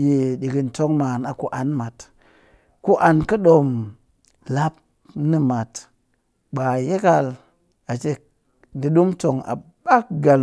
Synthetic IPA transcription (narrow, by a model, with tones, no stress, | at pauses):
je˨ɗi˨ɡi˨nto˦ŋma˨na˨ku˦ʔa˨nma˨t | ku˦ʔa˨nkə˦ɗo˨m | la˦p̚ | ni˦ma˨t | ɓa˨je˦ka˦l | a˨t͡ʃe˦ | di˨ɗu˦mto˨ŋa̰˨ba˦kɡa˨l